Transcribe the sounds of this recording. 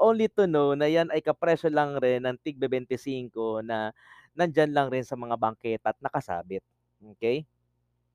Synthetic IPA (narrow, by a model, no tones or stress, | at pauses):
ʔoːnlit̪ʊnownɐjanɐjkɐpɾɛsolɐŋɾɛnːɐŋt̪iɡ̚bɛbɛnt̪ɪsiːŋko̞nɐ | nɐnd͡ʒanlaŋɾɪnsɐmɐŋabɐŋkɛt̪ʔɐt̪̚nɐkɐsa̰ːbɪt̪̚ | ʔoːkɛj